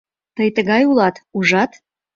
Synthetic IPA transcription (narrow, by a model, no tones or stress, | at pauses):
t̪əjt̪əɣɑjulɑt̪uʒɑt̪